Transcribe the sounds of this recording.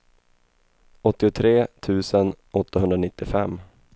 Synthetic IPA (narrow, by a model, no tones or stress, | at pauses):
ɔt̪ːɪʊt̪ʰɾeːt̪ʰʉ̟ːsənʔɔt̪ːaɦɵnd̪ɾanɪt̪ːɪfɛmː